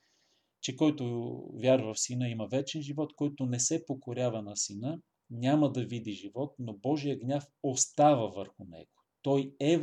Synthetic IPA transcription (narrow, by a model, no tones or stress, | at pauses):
t͡ʃɛkɔjt̪ovʲjaɾvəfsinəiməvɛt͡ʃɛnʒivɔt̪kɔjt̪onɛsɛpokoɾʲavənɐsinə | nʲaməd̪ɐvid̪iʒivɔt̪̚nobɔʒijəɡnʲafost̪avəvəɾxʊnɛ̰ɡ̥o̥t̪ɔjɛ